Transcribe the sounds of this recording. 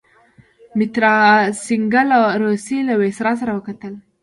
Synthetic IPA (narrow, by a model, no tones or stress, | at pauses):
mɪt̪ɾɑsɪŋɡalaɾosilawesɾɑs̬aɾawəkat̪əl